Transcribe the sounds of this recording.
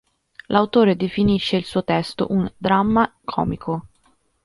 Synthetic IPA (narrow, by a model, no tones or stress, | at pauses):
lʔawt̪oːɾed̪efiniʃːeilsuːot̪ɛst̪o̰ʔund̪ɾamːakʰɔ̰ːmikʰo